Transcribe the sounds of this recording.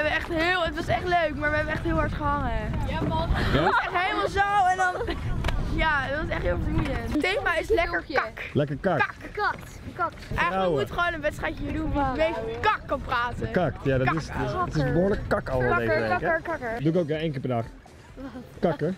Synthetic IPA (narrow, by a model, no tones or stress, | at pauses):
ɛbənɛχtɦɪːlˠətʋɑsɛχtløɥkmaːɹʋəɦɛbənɛχtɦɪːlˠɦɑɹtχəɦɑŋəə | ɛχtɦeməlˠzowɛndɔn | jadɔtɪsɛχtɪːlˠfəunətːeːmaɪslɛkəkɑklɛkəkak | kʔɛaəwkmuəχəʋownənʋɛtstrɛjtəiːɹdunmɔtɪmejfkɑkːɑnpraːtəkaktjadɔɪssɔtɪsbʊːɹləkkɑkɔlˠəeɛkəduɪkowkjaejnkɪːɹpɛdaχ | kɑkə